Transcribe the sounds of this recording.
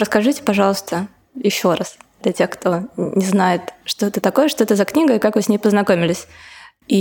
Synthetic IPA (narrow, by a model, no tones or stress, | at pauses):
ɾəskɐʐɨtʲɪ̥pɐʐɑlˠəst̪ə | jɪɕːo̞ɾasd̪lʲɐtʲe̞xkt̪ʰo̞nʲɪznajɪt̪ʂt̪o̞ɛt̪ət̪ɐko̞jəʂt̪oɛt̪əzɐknʲiɡəjɪkakvɨsʲnʲejpəznɐkomʲɪlʲɪsʲ | i